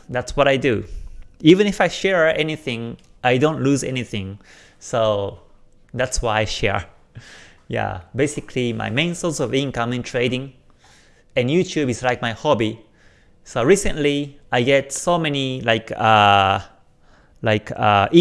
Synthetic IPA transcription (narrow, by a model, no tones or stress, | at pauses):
d̪ætswɔɾaɪdu | ivə̃nifajʃɛɹɛniθɪ̃ŋʔaɪdõntluzɛ̰niθɪ̃ŋ | so | d̪ætswaɪaɪʃɛ̰ɹ | ja̰besikʰlima̰ɪmẽnsɔsɔvĩnkə̃mɛ̃ntʰɹeɾĩŋ | ɛ̃njutʰubislaɪk̚maɪhɔbi | soʊɹisə̃nliaɪjɡɛtsomɛnilaɪkʌ | laɪkʰʌʔi